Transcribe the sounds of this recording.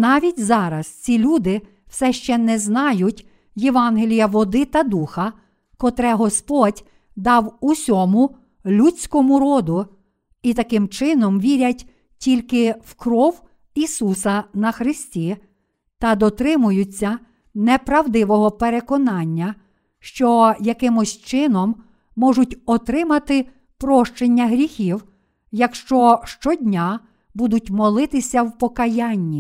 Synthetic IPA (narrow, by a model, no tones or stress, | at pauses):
nɑʋʲitʲzɑɾɐst͡sʲilʲud̪ɪ | w̥sɛʃt͡ʃɛnɛznɑjʊtʲ | jeʋɑnɦelʲijɐʋɔd̪ɪt̪ɐd̪uxɐ | kɔt̪ɾɛɦɔspɔdʲ | d̪ɑwusʲɔmʊ | lʲut͡sʲkɔmʊɾɔd̪ʊ | it̪ɐkɪmt͡ʃɪnɔmʋʲiɾʲɐtʲ | tʲilʲkɪwkɾɔw | isusɐnɐxɾɪsʲtʲi | t̪ɐd̪ɔt̪ɾɪmʊjʊt͡sʲːɐ | nɛpɾɐwd̪ɪʋɔɦɔpeɾekɔnɑnʲːɐ | ʃt͡ʃɔjɐkɪmʊsʲt͡ʃɪnɔmː | ɔʒʊtʲɔt̪ɾɪmɐt̪ɪ | pɾɔʃt͡ʃenʲːɐɦɾʲixʲiw | jɐkʃt͡ʃɔʃt͡ʃɔdʲnʲa | bud̪ʊtʲmɔlˠɪt̪ɪsʲɐwpɔkɐjanʲːi